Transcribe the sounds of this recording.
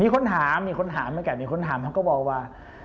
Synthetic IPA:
miː˧kʰo˧˥nt̪ʰaː˩˦mːiː˧kʰo˧˥nt̪ʰaː˨˩˦mːa˧˥˨kɛː˧˩miː˧kʰo˧˥˨nt̪ʰaː˨˩˦t̪a˧˥˩kɔː˥˩bɔː˧˩k̚waː˧

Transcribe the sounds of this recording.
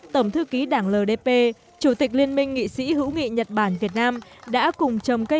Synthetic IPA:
t̪ə˧˩ŋ͡mt̪ʰɨ˧ki˨˦ɗaː˧˩ŋləː˨˩ɗe˧pe˧ | t͡ɕu˧˩t̪i˨˩k̟̚li˧ənmï˧ŋ̟ːḭ˧˨sḭ˧˥ɦɨ̰˧˥wŋḭ˧˨ɲə˨˩t̚ɓaː˧˩nvi˨˩ət̚naː˧mɗa̰ː˧˥kʊ˨˩ŋ͡mt͡ɕə˨˩wŋ͡mkə˧

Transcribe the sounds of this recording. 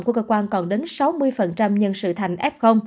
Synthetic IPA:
ŋ͡mku˧˩əkəː˧˩kwaː˧nkɔ˨˩nɗe˨˦nsa˨˦wmɨ˧əjfə˨˩nt͡ɕa˧mɲə˧nsɨ̰˧˨t̪ʰa˨˧˩jŋ̟ʔɛ˦˥p̚xə˧wŋ͡m

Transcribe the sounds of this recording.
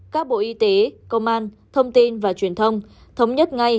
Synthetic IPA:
kaː˦˥k̚ɓo̰˧˨ʔi˧t̪e˨˦kə˧wŋ͡mʔaː˧n | t̪ʰə˧wŋ͡mt̪i˧nvaː˨˩t͡ɕwi˨˩ənt̪ʰə˧wŋ͡m | t̪ʰə˨˦wŋ͡mɲə˦˥t̚ŋa˧j

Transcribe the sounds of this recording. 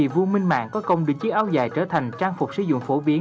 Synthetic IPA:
i˨˩vo˧mï˧ŋ̟ma̰ː˧˨ŋkɔ˨˦kə˧wŋ͡mɗɨ˨˩ək̚t͡ɕi˨˦˥ʔaː˧wzaː˧˩jt͡ɕəː˧˩t̪ʰa˨˩jŋ̟t͡ɕaː˧ŋfʊ˨˩k͡p̚sɨ̰˧zʊ̰˧˨ŋ͡mfo˧˩ɓi˨˦ə

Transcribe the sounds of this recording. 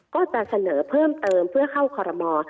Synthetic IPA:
kɔː˥˩t͡ɕa˨˩ʔsa˧nɤː˩˦pʰɤː˥˩mt̪ɤː˧mpʰɯ˥˩ɐkʰa˥˩wkʰɔː˧ɾɔ˧mɔː˧

